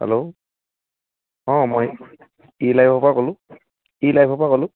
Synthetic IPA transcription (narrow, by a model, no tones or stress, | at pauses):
hɛ̰lo | ɔ̃moj | ilajbʱɔpakolʊ̃ | ilajbʰʱɔpakolʊ̃